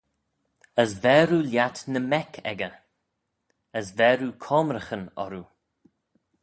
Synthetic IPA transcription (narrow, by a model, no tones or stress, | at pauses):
əsvɛːɾuljat̪nəmɛkʰɛ̰ɡə | əsvɛːɾukʰɔmɾəxənɔ̰ɾu